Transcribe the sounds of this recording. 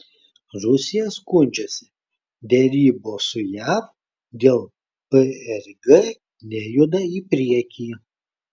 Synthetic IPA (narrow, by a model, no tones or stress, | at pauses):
ɾʊsʲɪjɛskʊnʲd͡ʒʲɛsʲɪ̥ | d̪ʲɛɾʲiːboːsʊjæːf | d̪ʲeːlˠ | pəɛɾʲɡɛ | nʲɛjud̪ɐiːpʲɾʲiɛkʲiː